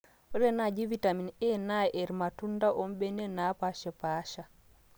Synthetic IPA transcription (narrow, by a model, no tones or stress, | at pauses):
ɔɾɛnad͡ʒivitaminɛnaʔɛɾmatundaʔɔmbɛnɛnapaʃɛpaʃa